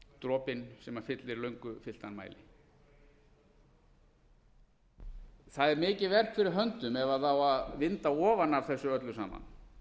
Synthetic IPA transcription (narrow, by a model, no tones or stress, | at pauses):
t̪ɾɔːpɪnsɛmaɾ̥fɪt̪lɪɾlœɥŋkʏfɪl̥t̪anma̰jlɪ | θaðɛɾmɪːcɪðvɛr̥t̪fɪɾɪɾɦœnt̪ʏmɛvaθawaðvɪnt̪aɔːvanavθɛsːʏœt̪lʏsa̰ːma̰n